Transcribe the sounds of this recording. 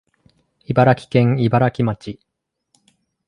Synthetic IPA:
ibaɾakʲi̥kẽ̞ŋibaɾakʲimat͡ɕi

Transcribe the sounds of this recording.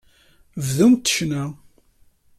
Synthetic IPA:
vðumt̪ːə̥ʃnæ

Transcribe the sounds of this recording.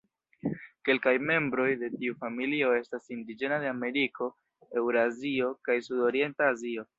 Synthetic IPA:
ke̞lkajme̞mbɾo̞jde̞tiufamilio̞e̞stasindid͡ʒe̞nade̞ame̞ɾikʰo̞ | e̞wɾazio̞kajsudo̞ɾie̞ntaːzio̞

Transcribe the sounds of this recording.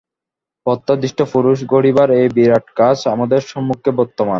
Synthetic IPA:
pɔt̪ːad̪iʃʈʰofuɾuʃɡoɽibaɾejbiɾaʈkat͡ɕamad̪eɾʃɔmːukʰːebɔɾt̪ːoman

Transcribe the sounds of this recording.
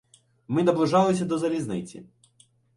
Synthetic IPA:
mɪnɐblˠʊʒɑlˠɪsʲɐd̪ɔzɐlʲiznɪt͡sʲḭ

